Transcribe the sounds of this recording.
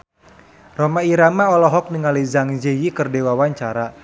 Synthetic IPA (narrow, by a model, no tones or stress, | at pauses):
rɔmaiɾamaɔlɔɦɔk̚niŋalizaŋd͡ʒejikərdewawaɲt͡ʃaɾa